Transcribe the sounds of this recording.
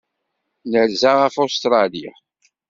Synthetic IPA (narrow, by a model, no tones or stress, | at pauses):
nəɾzaʁəfost̪ɾˤɑlija̰